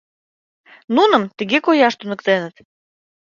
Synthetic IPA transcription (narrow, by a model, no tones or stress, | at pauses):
nunəmt̪əɣekojɑʃt̪unəkt̪enə̆t̪